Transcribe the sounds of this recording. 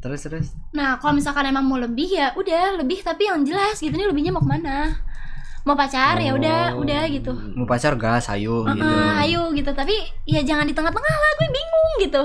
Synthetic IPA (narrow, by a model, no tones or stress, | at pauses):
t̪əɾst̪ɾʊs | nahkalomisalkanemaŋmoləbɪhjaʔudahləbɪht̪apijaŋd͡ʒəlasɡit̪uniləbɪhɲamakəmana | mapat͡ʃarjaudaudahɡit̪u | mawpat͡ʃarɡasa̰juəɡiʔəajuɡit̪ut̪apijad͡ʒaŋandit̪əŋat̪ləŋalaɡuɛbiŋʊŋɡit̪u